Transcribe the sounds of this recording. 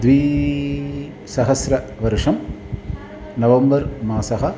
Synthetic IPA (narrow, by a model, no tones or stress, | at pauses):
d̪ʋiː | sɐɦɐsɾɐʋɐɾʂɐm | nɐʋɐmbɐɾmaːsɐɦɐ